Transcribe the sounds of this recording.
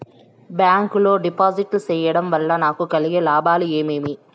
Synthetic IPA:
bjaːŋkuloːɖipaːziʈlsɛjːɐɽɐmʋɐlːɐnaːkukɐlɪjɐlaːbaːlueːmeːmi

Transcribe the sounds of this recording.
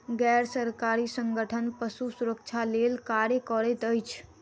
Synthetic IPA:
ɡɛɾsəɾkaɾisə̃ŋɡʱəʈʰənpəsusuɾək̚t͡ʃʰalelkaɾjəkɔɾɛt̪əjt͡ʃʰ

